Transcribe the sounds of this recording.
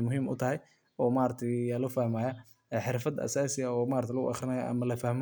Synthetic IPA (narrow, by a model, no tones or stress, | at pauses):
mʊɦiːmʊ̰t̪ʰɐɦɛj | ɔːmaːɾɐt̪ʰɛlɔfɐhmaːjɐ | ɛħɪɾfɐd̪ɐ̰saːsɪjɐɔːmaːɾt̪ʰɪlɐɣʊ̰ʔɑχɾɪnɐjaʔɐ̰mɐlɐfɐhm